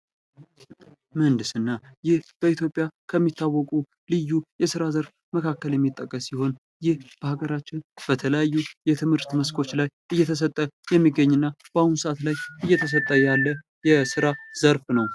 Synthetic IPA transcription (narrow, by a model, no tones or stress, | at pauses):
mənd̪ɨsɨnːajɪhb̥əit̪ʰjo̞pʼːjakʰəmːit̪ʰːawːɔkʼu | lɨjːujɛsɨɾazəɾf | məkʰakːəljɛmːit̪ʼːəkʼːəsiho̞n | jɪhb̥əhaɡəɾat͡ʃːɪnb̥ət̪ʰələjajːujɛt̪ʰɨmhɨɾt̪məskʰo̞t͡ʃːlajʔɨjːɛt̪ʰəs̬ət̪ʼːəjɛmːiɡəɲːɨnːab̥ahunsəʔat̪lajʔɨjːɛt̪ʰəs̬ət̪ʼːəjalːə | jɛsɨɾaz̥əɾfnəw